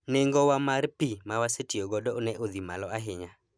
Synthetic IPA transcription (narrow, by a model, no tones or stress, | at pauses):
neŋɡɔwamarpimawasetioɡɔdɔonɛʔod̪ima̰lɔaɦɪɲa